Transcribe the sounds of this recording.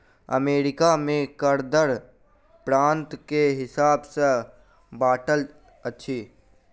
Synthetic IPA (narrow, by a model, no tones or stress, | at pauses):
ə̰meːɾɪkamẽkəɾd̪əɾ | pɾãːnt̪keɦɪsaːbse | baːʈəl | ətːʃʰiː